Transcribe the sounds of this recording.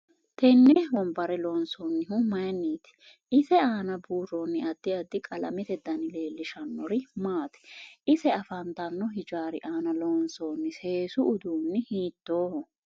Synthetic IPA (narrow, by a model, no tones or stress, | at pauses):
t̪ɛnːɛbɔmbɐɾɛloːnsoːnːɪɦʊmɐjɐnːiːt̪ɪ̥ | ɪsɛaːnɐbuːronːɪɐd̪ːɪɐd̪ːɪkʼɐlɐ̰mɛt̪ɛd̪ɐnɪle̞ːlːɪʃɐnːɔɾɪmaːt̪ɛ̥ʔɪsɛɐfɐnt̪ɐnːɔɦɪd͡ʒaːɾɪ̰ʔaːnɐloːnsoːnːɪse̞ːsʊʔːd̪uːnːɪhiːt̪ːoːhɔ